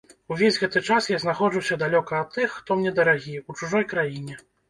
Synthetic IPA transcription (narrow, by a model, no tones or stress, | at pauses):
uvʲezʲɣɛt̪ɨt͡ʂasjaznaxɔd͡ʐusʲɐd̪alʲɔkɐːt̪ːɨxːt̪ɔmnʲɛd̪ɐɾaɣʲiut͡ʂuʐɔjkɾajinʲɛ